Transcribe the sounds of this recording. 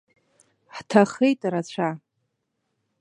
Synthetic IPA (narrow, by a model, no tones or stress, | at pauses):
ħtʰaχejtʼaɾat͡ɕʷʰa